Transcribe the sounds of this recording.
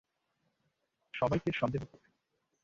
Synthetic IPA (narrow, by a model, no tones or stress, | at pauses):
ʃɔbajkeɾʃɔnd̪eɦot̪o